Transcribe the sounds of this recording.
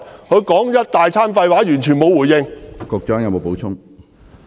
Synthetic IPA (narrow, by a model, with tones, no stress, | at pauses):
hɵ˨˧ɥkɔː˨˥ŋjɐ˥t̚t̪aː˨jt͡sʰaː˥nfɐ˧jwaː˨˥jyː˨˩nt͡ʃʰyː˨˩nmo˨˧wuː˨˩jɪ˧ŋkɔː˧k̚t͡ʃœː˨˥ŋjɐ˨˥wmo˨˧wpo˨˥wt͡ʃʰʊ˥ŋ